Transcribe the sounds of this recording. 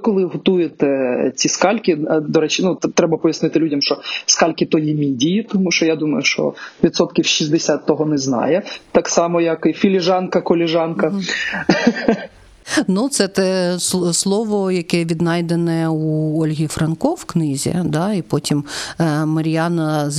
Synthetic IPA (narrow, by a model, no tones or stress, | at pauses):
kɔlˠɪɦɔt̪ujet̪ɛt͡sʲiskɑlʲkʲid̪ɔɾɛt͡ʃɪnut̪ɾɛbɐpɔjɐsnɪt̪ɪlʲudʲɐmʃt͡ʃɔskɑlʲkʲit̪ɔjimʲidʲijit̪ɔmuʃt͡ʃɔjad̪umɐjʊʃt͡ʃɔ̰ʋʲit̪sɔt̪kʲiwʃizʲd̪esʲat̪ːɔɦɔnɛznɑ̰jɛt̪ɑksɑmɔjɐkifʲilʲɪʒɑnkɐkɔlʲɪʒɑnkɐ | nut̪sɛt̪ɛsslˠɔʋɔjɐkɛʋʲid̪nɑjd̪enɛuɔlʲɦʲifɾɐnkɔwknɪzʲḭd̪ɑipɔtʲimmɐɾʲjɑnɐ